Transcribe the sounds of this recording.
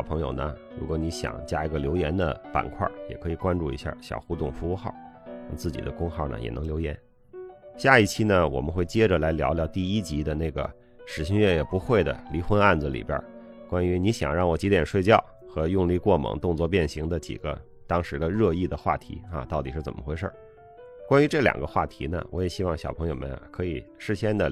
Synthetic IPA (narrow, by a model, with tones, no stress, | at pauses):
ʊpʰɤ˧˥ŋjo̰˨˧˩ʊnə̰˧ɻu˧˥kwɔ˧˥ni˧˥ɕjɑ̰˨˩ŋt͡ɕja˥i˧˥ɡə˧ljo˧˥ʊjɛ˧˥nd̪ə̰˧pa̰˨˩nkʰwa̰˥˩jɛ̰˨˩kʰɤ˧˥i˨˩kwa˥nʈ͡ʂu˥˩ḭ˧˥ɕja̰˥˩ɕjɑ̰˨˩ʊxu˥t̪ʊ˥˩ŋfu˧˥u˥˧xɑ˥˩ʊɻɑ˥˧ŋt͡sɹ̩˥˩t͡ɕḭ˨˩d̪ə˦kʊ˥ŋxɑ˥˩ʊnə̰˩jɛ̰˨˩nɤ˧˥ŋljo˧˥ʊjɛ̰˧˥n | ɕja˥˧i˥˩t͡ɕʰi˥nə˧wɔ̰˨˩mə˦xwe˥˩ɪt͡ɕjɛ˥ʈ͡ʂə˨la˧˥ɪljɑ̰˧˥ʊljɑ˧˥ʊt̪i˥˧i˥t͡ɕi˧˥d̪ə˧ne˥˩ɪɡə̰˩ | ʂɻ̩˨˩ɕi˥˧ŋɥɛ˥˩jɛ˨˩pu˧˥xwe˥˩ɪd̪ə̰˩li˧˥xwə˥na˥˩nd͡z̩˩lḭ˨˩bjə̰˥kwa˥ny˧˥ni˧˥ɕjɑ̰˨˩ŋɻɑ˥˩ŋwɔ˨˩t͡ɕi˧˥t̪jɛ˨˩nʂwe˥˧ɪt͡ɕjɑ˥˩ʊ | xɤ˧˥jʊ˥˧ŋli˥˧kwɔ˥˩mɤ̰˧˥ŋt̪ʊ˥˧ŋt͡swɔ˥˧pjɛ˥˩nɕi˧˥ŋd̪ə˧t͡ɕḭ˨˩ɡə̰˦ | t̪ɑ˥ŋʂɻ̩˧˥d̪ə˧ɻɤ˥˧i˥˩d̪ə˩xwa̰˥˩t̪ʰḭ˧˥ɐ̰˧t̪ɑ˥˩ʊt̪i˨˩ʂɻ̩˥˩t͡sə̰˨˩mə˦xwe˥ɪʂə̰˥˩ | kwa˥ny˧˥ʈ͡ʂɤ˥˩ljɑ̰˨˩ŋɡə˦xwa̰˥˩t̪ʰi˧˥nə̰˧wʔɔ˧˥jɛ˨˩ɕi˥wɑ˥˧ŋɕjɑ˨˩ʊpʰɤ˧˥ŋjo˧ʊmə̰˦nkʰɤ˧˥i˨˩ʂɻ̩˥˩ɕjɛ˥nd̪ə˨